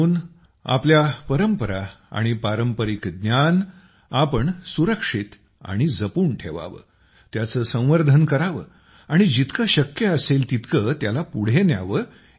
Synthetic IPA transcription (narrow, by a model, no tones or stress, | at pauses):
uːn | a̰pljapəɾəmpəɾa | a̰ɽ̃ipaɾəmpəɾikd̪njan | apəɳsuɾəkʂit̪ | a̰ɽ̃id͡zəpuːɳʈʰeʋa̰ʋə̰ | t̪jat͡səːsə̃w̃ʋəɾd̪ʱənkəɾaʋə̰ | aɽ̃id͡ʑit̪kəɕəkjəəselt̪it̪kət̪jalapuɽ̤enja̰ʋə